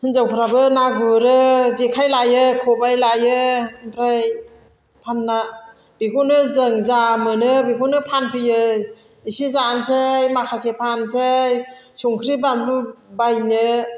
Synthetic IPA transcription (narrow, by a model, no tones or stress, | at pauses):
hɯnzawpʰɾabɯnaɡɯɾɯzikʰajlajɯkʰɔbajlajɯmpʰɾaj | pʰanːa | biɡunɯzɯŋzamɯnɯbiɡunɯpʰanpʰɯjɯ | isizansɯjmakʰasepʰansɯjsuŋkʰɾibandubajnɯ